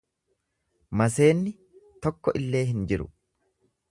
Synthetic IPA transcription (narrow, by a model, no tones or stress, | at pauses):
mɐse̞ːnːɪ | t̪ɔkːɔʔɪlːe̞ːɦɪnd͡ʒɪɾʊ̰